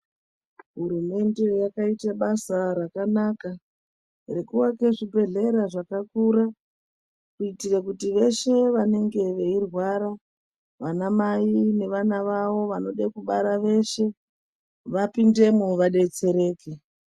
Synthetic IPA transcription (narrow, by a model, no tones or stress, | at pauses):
ɦuɾume̞nde̞jakaitaɓasarakanaka | rekuwakeʐibʱe̞ɮe̞ɾaʐakakuɾa | kuitirakutiʋe̞ʃe̞ʋane̞ŋɡe̞ʋe̞irwaɾa | ʋanamaine̞ʋanaʋaʋo̞ʋano̞ɗekuɓaɾaʋe̞ʃe̞ | ʋapinde̞muʋaɗe̞t͡se̞ɾe̞ːke̞